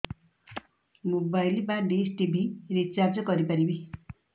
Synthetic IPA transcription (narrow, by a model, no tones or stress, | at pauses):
mobajlbaɖisʈibʱiɾit͡ʃabd͡ʒɔkɔɾipaɾibi